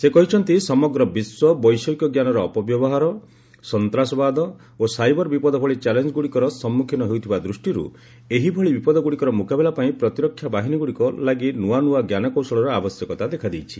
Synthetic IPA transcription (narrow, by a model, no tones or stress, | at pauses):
sekɔɦit͡ʃʰɔnt̪isɔmɔɡɾɔbiswɔbɔjsɔkjɔɡjanɔɾɔːpɔbjɔbɔɦaɾɔ | sɔnt̪ɾasɔbad̪ɔ | osajbɔɾbipɔd̪ɔbʱɔɭit͡ʃalend͡ʒɔɡuɽikɔɾɔsɔmːukʰinɔɦeut̪ʰibad̪ɾusʈiɾṵ | eɦibʱɔɭibipɔd̪ɔɡuɽikɔɾɔmukabelapaĩpɾɔt̪iɾɔkʰːjabaɦiniɡuɽikɔlaɡinuanuaɡjanɔkɔwsɔɭɔɾɔabɔsjɔkɔt̪ad̪ekʰad̪ijt͡ʃʰi̥